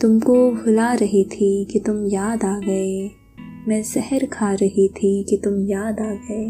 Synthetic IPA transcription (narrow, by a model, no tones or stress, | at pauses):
t̪ʊmkobʱʊlaɾɐɦit̪ʰikit̪ʊmjaːd̪aːɡɐeː | mɛ̃ːsɛɦəɾkʰaːɾɐɦit̪ʰikit̪ʊmjaːd̪aːɡɐeː